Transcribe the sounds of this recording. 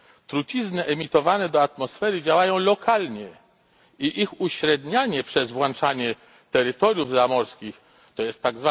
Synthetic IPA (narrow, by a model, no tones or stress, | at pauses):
t̪ɾut͡ɕiznɘʔɛmʲit̪ɔvanɛd̪ɔat̪mɔsfɛɾɘd͡ʑawajɔ̃w̃lɔkʰalɲɛ | iʔixuɕɾɛd̪ɲaɲɛpʂɛzvwant͡ʂaɲɛ | t̪ɛɾɘt̪ɔɾʲjuvzamɔɾskʲix | t̪ɔjɛst̪ːaɡzva